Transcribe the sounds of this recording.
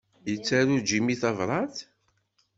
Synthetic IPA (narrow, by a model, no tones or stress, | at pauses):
jət͡sːæɾud͡ʒimiθɑvɾˤɑθ